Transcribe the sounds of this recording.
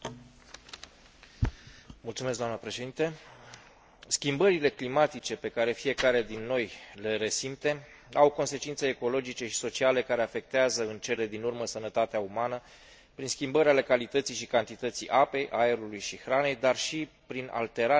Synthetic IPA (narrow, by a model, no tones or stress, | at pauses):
mult̪sumeskɡd̪oamnəpɾe̞ʃe̞d̪int̪e | skʲimbəɾile̞klimat̪it͡ʃe̞pe̞kaɾe̞fije̞kaɾe̞d̪inːo̞jle̞ɾe̞simt̪e̞ | awko̞nse̞t͡ʃint̪seːko̞lo̞d͡ʒit͡ʃe̞ʃi̥so̞t͡ʃiale̞kaɾe̞afe̞k̚t̪eazəɨnt͡ʃe̞le̞d̪inurməsənət̪at̪eaumanə | pɾinskʲimbəɾʲale̞kalit̪ət̪sijʃikant̪it̪ət̪sijʔape̞jʔae̞ɾulujʃixɾane̞jd̪arʃi | pɾinʔa̰lt̪e̞ɾa